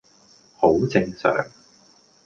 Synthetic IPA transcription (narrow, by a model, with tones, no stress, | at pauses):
ho˨˥wt͡sɪ˧ŋsœ̰ː˨ŋ